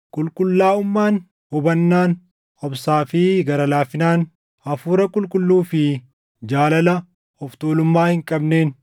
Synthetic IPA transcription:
kʼʊlkʼʊlːaːʊmːaːn | hɔbɐnːaːn | ɔbsaːfɪɡɐɾɐlaːfɪnaːn | ɐfuːɾɐkʼʊlkʼʊlːuːfɪ | d͡ʒaːlɐlɐ | hɔft̪oːlʊmːaːhɪŋkʼɐbne̞ːn

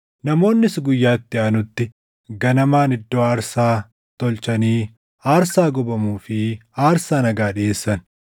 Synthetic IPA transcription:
nɐmo̞ːnːɪsɡʊjːaːɪt̪ːɪɐnʊt̪ːɪ | ɡɐnɐmaːnɪd̪ːo̞ːaːɾsaː | t̪ɔlt͡ʃɐniː | aːɾsaːɡɔbɐmuːfɪaːɾsaːnɐɡaːᶑɪeːsːɐn

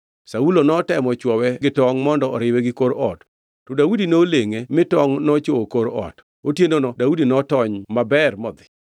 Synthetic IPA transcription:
saulonɔtɛmɔt͡ʃwɔwɛɡɪtɔŋmɔndɔɔɾɪwɛɡɪkoɾɔtː | ɔdawudinoleŋemɪtɔŋnɔt͡ʃowokoɾɔ̰t | otjenonɔdaudinɔtɔɲmabɛrmɔd̪ɪ̥

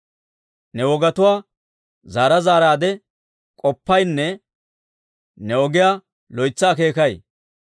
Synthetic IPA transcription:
nɛwɔɡɐt̪ʊwaː | zaːɾɐzaːɾaːd̪ɛ | kʼɔpːɐjnːɛ | nɛɔɡɪjaː | lɔjt͡sːaːk̬e̞ːkɐj

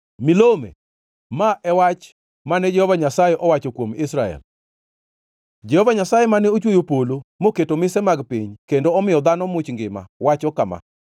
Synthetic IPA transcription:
mɪlomḛ | maʔɛwat͡ʃ | manɛd͡ʒɛhɔvaɲasajɛʔɔwat͡ʃokwomɪsɾaɛ̰l | d͡ʒɛhɔvaɲasajemanɛot͡ʃwojopolomoketomɪsɛmaɡpiɲkendoɔmɪjɔd̪anɔmʊt͡ʃŋɡɪma̰wat͡ʃɔkama̰

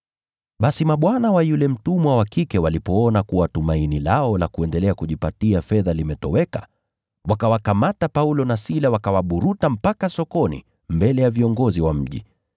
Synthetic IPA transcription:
ɓasimaɓwanawajulɛm̩tumwawakikɛwalipɔɔnakuwatumainilaɔlakuɛndɛlɛakuʄipatiafɛðalimɛtɔwɛkḁ | wakawakamatapaulɔnasilawakawaɓuɾutam̩pakasɔkɔnḭ | mbɛlɛjaviɔŋɡɔziwam̩ʄḭ

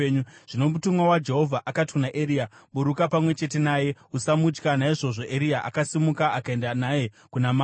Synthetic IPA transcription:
ɲuʐ̥ino̞mutumwawad͡ʒe̞ɦo̞vʱaʔakati̥kunaʔeɾiaɓuɾukapamwe̞t͡ʃe̞te̞naːje̞usamut͡ʃkanaiʐo̞ʐo̞ʔeɾiaʔa̰kasimukaakae̞ndanaje̞ | kunama

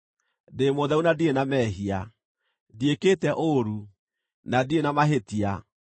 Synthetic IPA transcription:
demoðɛunadienamɛɦia | diekeːtɛʔoɾu | nadienamaɦetia

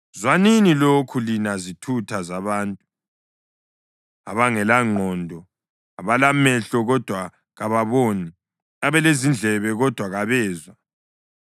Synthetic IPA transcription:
zwaninilokʰulinazitʰutʰazaβaːntʼu | aβaŋɛlaŋ͡ǃʱɔndʱɔ | aβalamɛɬɔɣɔd̥ʱwa | ɣaβaβoːni | aβɛlezind͡ɮʱɛβɛɣɔd̥ʱwaɣaβɛːzwa

